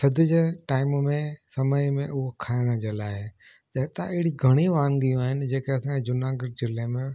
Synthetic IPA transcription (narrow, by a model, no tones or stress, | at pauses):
sɐd̪ʱɪd͡ʑeːʈaːɪmmẽsɐməjmẽʔʊɦokʰaːɪɽ̃əd͡ʑeːlaːɪ | ɗɐt̪aʔɪɦɪɽiɡʱɐɽ̃iʋaːnɡijũaːɦɪnɪ̆d͡ʑeːkeɐsãːed͡ʑʊnãːɡɪɾd͡ʑɪlemẽ